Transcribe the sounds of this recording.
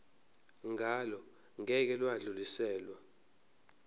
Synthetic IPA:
ŋʱalɔ | ŋɛk̬ɛlwaɮulisɛːlwa

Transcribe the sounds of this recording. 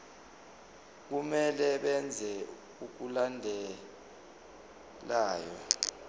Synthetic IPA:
k̬umɛlɛɓɛnd͡zʱɛ | uk̬ulandʱɛ | laːjɔ

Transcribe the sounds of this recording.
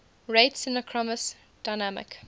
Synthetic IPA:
ɹeɪtsɪ̃nəkʰɹ̥ɔməs | d̥aɪnamɪ̰k

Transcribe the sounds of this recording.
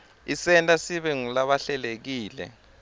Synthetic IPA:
isɛntʼasiɓɛŋulaɓaɬɛlek̬iːlɛ̰

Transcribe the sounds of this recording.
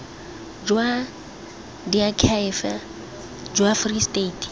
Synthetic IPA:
d͡ʒwa | diakʰafa | d͡ʒwafristeːtʰ

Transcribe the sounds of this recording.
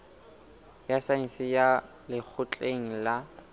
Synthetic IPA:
jasasɪja | lɪk͡xʰʊt͡ɬʼeŋ̩la

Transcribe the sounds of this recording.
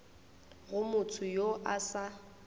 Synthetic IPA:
ɣʊmʊtʰʊjoʔasa

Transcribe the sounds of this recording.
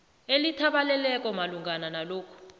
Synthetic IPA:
elitʰaɓalɛlɛk̬ʼɔmaluŋɡʱananaloːkʰu̥

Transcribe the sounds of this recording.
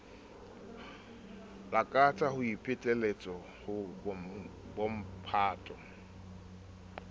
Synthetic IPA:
lakʼat͡sʼahʊipʰʼɪtʼelet͡sʼɔ | hʊ | bom̩pʰaːtʼɔ

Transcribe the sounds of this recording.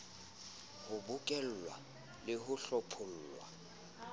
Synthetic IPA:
hʊbʊkʼɛl̩lwa̰ | lɪɦʊɬɔpʰʊl̩ːlwa̰

